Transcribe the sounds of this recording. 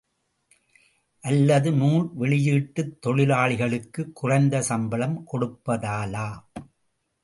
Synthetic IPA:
ʔɐlːɐðɯnuːnʋɛɭɪjiːʈːɯt̪ːɔɻɪlaːɭɪɣɐɭɯkːɯkːʊrɐɪnd̪ɐsɐmbɐlɐmkɔɽɯpːɐðaːlaː

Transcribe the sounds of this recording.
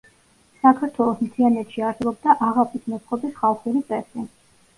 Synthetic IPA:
sakʰaɾt̪ʰwɛlˠɔsmt̪ʰianɛt̪ʃiaɾsɛbɔbd̪aʔaʁapʰisʰmɔt̪sʰqʼɔbisχalˠχuɾit̪sʼɛsi

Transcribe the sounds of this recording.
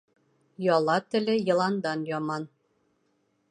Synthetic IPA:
jɒlˠɑt̪ɘ̆lɘjɤ̆lˠɑnd̪ɑnjɒmɑn

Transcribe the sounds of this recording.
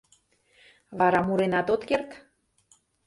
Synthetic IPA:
βɑɾɑmuɾenɑt̪ot̪kert̪

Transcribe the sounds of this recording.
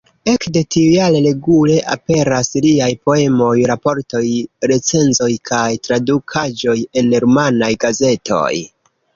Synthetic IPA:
e̞kde̞tiujalele̞ɡule̞ʔa̰pe̞ɾasliajpo̞e̞mo̞jɾapo̞ɾto̞jɾe̞t͡se̞nzo̞jkʰajtɾadukʰad͡ʒo̞je̞neɾmanajɡaze̞to̞̰j

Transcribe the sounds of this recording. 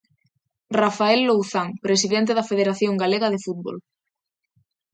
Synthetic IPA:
rafaelːowθaŋpɾesiðent̪̬eðɐfeðeɾaθjoŋɡaleɣɐðefut̪̚βo̰l

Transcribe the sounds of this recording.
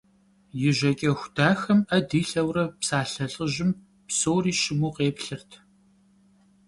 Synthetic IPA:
jɪʒɐkʲʼɐxʷd̥aːxɐmɐdiːɬɐwrɐpsaːɬɐɬʼɨʑɪm | psoːriːʃɪmuːqeːpɬɨrtʰ

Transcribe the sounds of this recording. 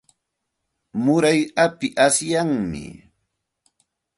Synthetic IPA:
mʊɾajapɪʔasjaŋmɪ̰

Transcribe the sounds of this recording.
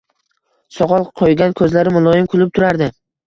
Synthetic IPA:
sɒʁɒlˠqʰojɡʲankʰɵzlaɾɪmʊlˠɒjɪmkʰʊlˠɪp̚t̪ʰʊɾaɾd̪ɪ

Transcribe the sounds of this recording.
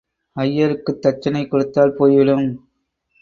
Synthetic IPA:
ɐjːɐɾɯkːɯt̪ːɐt͡ʃːɐnɐɪkːɔɽɯt̪ːaːlpoːjʋɐɭɯm

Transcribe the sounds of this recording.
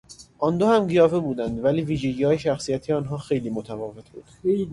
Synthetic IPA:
ʔɒnd̪ohæmɡijɒːfebuːd̪ænd̪væliːviːʒeɟiːɒːjeʃæxsiːjæt̪ʰiɒːnɦɒːxe̞jliːmot̪ʰævɒːve̞t̪̚ʰbuːd̪̥

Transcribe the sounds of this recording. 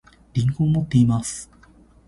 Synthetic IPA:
ɾʲĩŋkõmot̪ːe̞imasɨ̥

